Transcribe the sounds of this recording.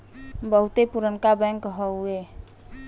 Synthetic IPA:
bəɦut̪epuɾənkabɛ̃ŋkɦəwe

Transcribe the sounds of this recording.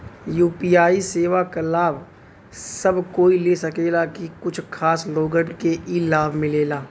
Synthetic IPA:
juːpiːaːiseːʋakalaːb | sɐbʱkoːilesɐkeːlakikʊt͡ʃʰkʰaːsloːɡənkeʔilaːbʱmɪleːlaː

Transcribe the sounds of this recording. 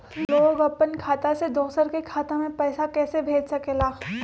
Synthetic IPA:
loːɡɐpːənkʰaːt̪ased̪oːsəɾkekʰaːt̪ãmẽpɛːsakɛːsebʱeːd͡ʒsɐkelaː

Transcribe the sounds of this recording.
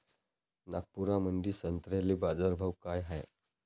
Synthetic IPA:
nak̚pːuɾamənd̪iːsənt̪ɾaliːbad͡zəɾbʱəʋkajɦaj

